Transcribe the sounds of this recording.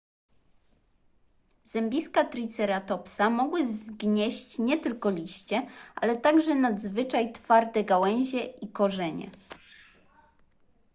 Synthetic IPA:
z̥ɛmbʲiskat̪ɾʲit̪sɛɾat̪ɔpsamɔɡwɘzɡɲeɕt͡ɕɲɛt̪ɘlkɔlʲiɕt͡ɕɛʔa̰lɛt̪aɡʐɛnad̪zvɘt͡ʂajt̪faɾd̪ɛɡawɛɲ̃ʑɛʔikɔʐɛɲɛ̰

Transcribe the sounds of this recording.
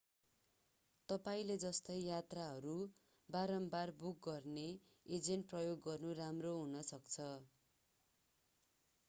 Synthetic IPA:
t̪ʌpaĩled͡zʌst̪ʌjjat̪raɦʌɾu | baɾʌmbarbuk̚ɡʌrne | ed͡zenʈ̚prʌjoɡːʌrnuramroɦunʌsʌkt͡sʰʌ

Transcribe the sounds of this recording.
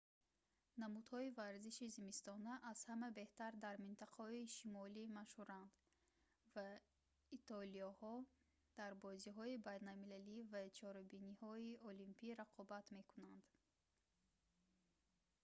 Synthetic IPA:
namud̪hɔivaɾziʃizimist̪ɔnaʔaz̥hamabe̞ht̪aɾd̪aɾmint̪ʰaqʰahɔiʃimɔlimaʃhuɾand̪ | va | it̪ʰɔliɔhɔ | d̪̥aɾbɔziɦɔibajnalmilalivat͡ʃʰɔɾabinihɔiɔlimpʰiɾaqʰɔbat̪me̞kunand̪

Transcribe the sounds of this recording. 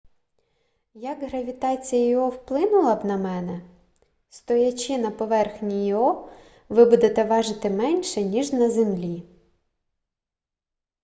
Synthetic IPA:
jɐkɦɾɐʋʲit̪ɑt͡sʲijɐjɔɔwplˠɪnʊlˠɐbnɐmɛnɛ | st̪ɔjɐt͡ʃɪnɐpɔʋɛrxnʲijiɔ | ʋɪbud̪et̪ɛʋɑʒɪt̪ɪmɛnʲʃɛnʲiʒnɐzemlʲi

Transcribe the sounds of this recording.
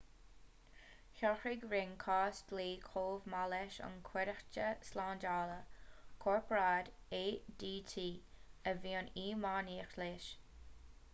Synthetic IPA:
çɔxɪɡɾɪnkʰɑːstliːkʰoːvmalɛʃə̰nkʰwɛɾəxt͡ʃəslaːndaːləkʰɔːɹpʰɾaːdeːdiːtʰiːəviːəniːmaːniːxleʃ

